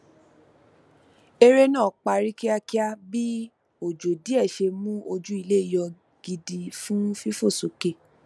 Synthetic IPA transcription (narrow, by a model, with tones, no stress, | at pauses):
e˧ɾe˦nã˦˨k͡pa˧ɾi˦ki˦a˧ki˦a˦bi˦ | o˨d͡ʒo˨di˨˦ɛ˦˨ʃe˧mũ˦o˧d͡ʒu˦i˧le˦i˦˨jɔ˧ | ɡ̥i˧di˧fũ˦fi˦fo˦˨so˨ke˦˨